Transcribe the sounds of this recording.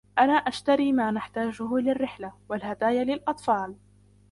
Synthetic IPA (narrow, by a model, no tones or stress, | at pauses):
ʔanaːʔaʃt̪aɾiːmaːnaħt̪aːd͡ʒʊhlɪrːɪħlawalhad̪aːjalɪlʔɑt̪ˤfɑːl